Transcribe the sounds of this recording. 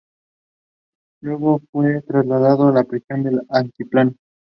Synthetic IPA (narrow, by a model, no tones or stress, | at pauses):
ʎoɣofwet̪ɾazlaðaðoalapɾesjond̪elaŋk̪iplan